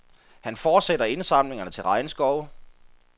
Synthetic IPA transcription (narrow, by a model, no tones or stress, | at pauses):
hænfɒːd̥sed̥ɐe̝nsɑ̈mle̝ŋɐnət͡sʰe̝lʁɑ̈ɪnəsɡ̥ɒʊ